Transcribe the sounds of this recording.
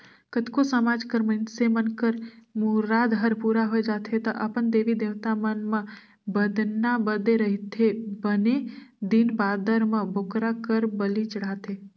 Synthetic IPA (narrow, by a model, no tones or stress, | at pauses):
kət̪kosəmad͡ʒkəɾmənsemənkəɾmuɾaːd̪ɦəɾpuɾaɦoed͡ʒaːt̪ʰɦet̪əʔəpənd̪eːʋid̪eʋt̪amənmə̃ | bəd̪nabəd̪eɾəɦit̪ʰebəned̪inbad̪əɾmə̃bokɾakəɾbəlit͡ʃəɽ̤at̪ʰe